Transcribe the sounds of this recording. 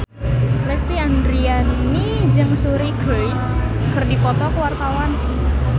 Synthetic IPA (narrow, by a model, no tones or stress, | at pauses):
lɛst̪iandɾianni | d͡ʒɨŋsuɾiɡɾɔjs | kərdipɔt̪ɔkəwart̪awan